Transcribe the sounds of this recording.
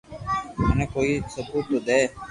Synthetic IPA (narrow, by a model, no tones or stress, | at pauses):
mənẽːkoːiːsəbuːt̪od̪eː